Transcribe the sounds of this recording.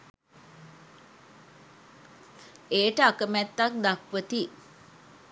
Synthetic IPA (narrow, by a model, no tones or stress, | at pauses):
eːʈəakəmæt̪ːak̚d̪akʋət̪i